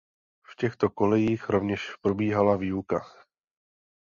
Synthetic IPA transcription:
fcɛxt̪o̞ko̞lɛjiːxɾovɲɛʃpɾobiːɦalaviːuka

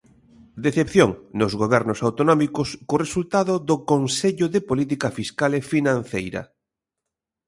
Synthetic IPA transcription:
d̪eθepθjoŋnozɣoβɛɾnosawt̪onɔmikʊskoresult̪aðʊðokonseʎʊðepolit̪̬ikafiskalefinãn̟θejɾɐ̰

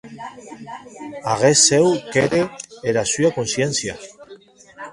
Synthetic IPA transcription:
aɣ̞esewkeɾeeɾasyakonsjensja̰

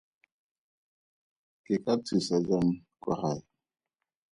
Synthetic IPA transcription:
kekat͡sisad͡ʒamka̰haj

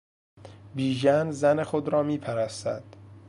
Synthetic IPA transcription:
biːʒænzænexod̪ɾɒːmiːpʰæɾæst̪æ̰d̪̥

